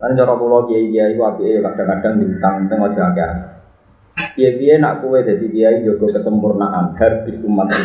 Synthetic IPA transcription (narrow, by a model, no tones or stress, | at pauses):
kanɲt͡ʃɔɾɔpulɔkieikijaiwapiejekaɖ̥aŋkaɖ̥a̤ŋd̪iit̪aŋənt̪əŋɔd̥ʒ̥ɔ̤akea̰n | kiekijena̰ʔkuwed̪̥a̤t̪ikijaid͡ʒoɡ̥ɔ̤kəsəmpurnaʔanhɛrb̥i̤sumat̪̚